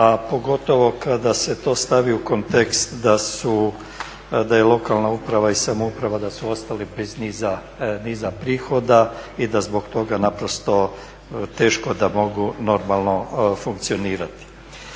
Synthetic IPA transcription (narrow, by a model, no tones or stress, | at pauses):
apo̞ɡo̞t̪o̞ʋo̞kad̪ase̞t̪o̞ːst̪aʋiuko̞nt̪ekst̪d̪asu | d̪aje̞lˠo̞kalˠnaupɾaʋaisamoupɾaʋad̪asuo̞st̪alibezniːza | niːzapɾiːxo̞d̪aid̪azbo̞kt̪o̞ɡanapɾo̞st̪o̞ | t̪e̞ːʃko̞d̪amo̞ɡuno̞ɾmalˠno̞fuŋkt̪sio̞niːɾat̪i̥